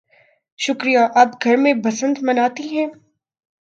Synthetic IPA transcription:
ʃʊkɾijaʔɐbɡʱɐɾmẽbɐsə̃nd̪mɐnaːt̪iɦɛ̃ː

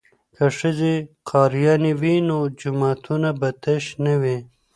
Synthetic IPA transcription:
kɐʂiziqɑːɾijɑːniwinod͡ʑumaːt̪ʰunabɐt̪ɐɕnɐwe

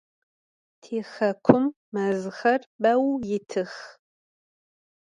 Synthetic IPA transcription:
tʰeːxɐkʷʰʊmːɐzɨxɐrbɐwjɪtʰɨx

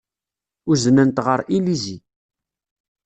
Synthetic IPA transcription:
ʊznənt̪ʁəɾilizi

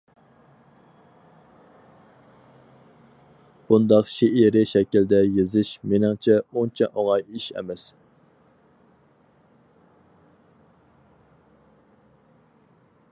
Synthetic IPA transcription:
b̥und̪ɑqʃeʔiɾɪʃɛkʲild̪ɛjezɪʃmenɪŋt͡ʃʰɛunt͡ʃʰɛʔoŋɑjiʃɛ̰mɛs

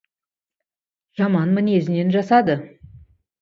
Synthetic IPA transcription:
ʒ̥ɑmɑnmɪne̞zɪne̞nʒɑsɑd̪ə

